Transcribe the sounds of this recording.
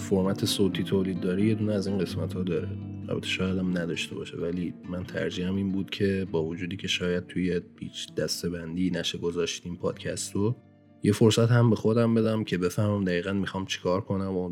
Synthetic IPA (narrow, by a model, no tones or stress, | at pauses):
foɾmæt̪ʰe̞soːt̪ʰiːt̪ʰoːliːd̪̚ːɒːɾije̞d̪uːneæziːnɢe̞smæt̪hɒːd̪ɒːɾeɾæ̰bæt̪ʰeʃɒːjæd̪æmnæd̪ɒːʃt̪e̞bɒ̰ːʃḛvælimænt̪ʰæ̰ɾd͡ʒihæmiːnbuːd̪̥cʰe̞bɒːvod͡ʒuːd̪iːcʰe̞ʃɒːjæd̪̥̚t̪ʰujepʰḭːt͡ʃd̪̥æst̪e̞bænd̪iːnæʃeɡozɒːʃt̪iːmpʰɒ̰ːd̪̥cʰæst̪o | jefoɾsæt̪hæmbe̞xo̞d̪æmbe̞d̪æmcʰe̞be̞fæhmæmd̪æɣiːɣænmixɒːmt͡ʃʰe̥kʰɒːɾkʰo̞næmo